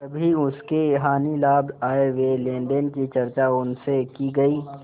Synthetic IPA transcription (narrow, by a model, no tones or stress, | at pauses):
ɐbʱiʊskeɦaːnilaːbaːeʋelẽːɳɖənkit͡ʃɐɾt͡ʃaʊnsekiɡɐiː